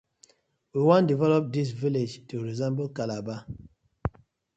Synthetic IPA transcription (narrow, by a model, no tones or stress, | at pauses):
wiwãndivɛlɔp̚dis̬viled͡ʒtuɹizɛ̃mbokalaba